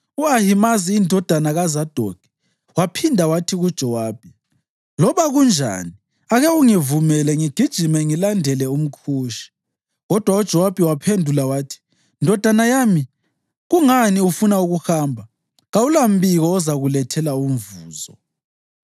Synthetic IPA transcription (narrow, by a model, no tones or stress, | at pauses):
uahimaziːndʱɔd̥ʱanaɣazad̥ʱɔɡ̥̚ʱʼɛ̥ | wapʰindʱawatʰiɣud̥ʒ̥ʱɔwaːb̥ʱi | lɔβaɣund͡ʒʱa̰ni | aɣɛuŋivumɛlɛŋiɡ̥ʱid̥ʒ̥ʱimɛŋilandʱɛlɛum̩kʰuːʃi̥ | ɣɔd̥ʱwaud̥ʒ̥ʱɔwab̥ʱiwapʰendʱulawaːtʰi̥ | ndʱɔd̥ʱanajaːmi | ɣuŋaniufunauɣuxaːmbʱa | ɣaulam̩biɣɔːzaɣulɛtʰɛlaum̩vuːzɔ